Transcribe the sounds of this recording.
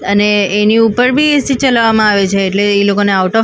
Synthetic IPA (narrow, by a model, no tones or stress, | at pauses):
əneːniupəɾbʱiesit͡ʃəlaʋamãaʋet͡ʃʰeːʈleːlokoneawʈɔ